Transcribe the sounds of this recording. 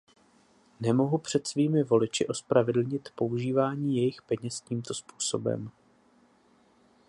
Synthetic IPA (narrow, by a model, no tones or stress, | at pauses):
nɛmo̞ɦupr̝̥ɛt̪sviːmɪvo̞lɪt͡ʃɪʔo̞spɾavɛdl̩ɲɪt̪po̞uʒiːvaːɲiːjɛjɪxpɛɲɛsciːmt̪o̞spuːso̞bɛ̰m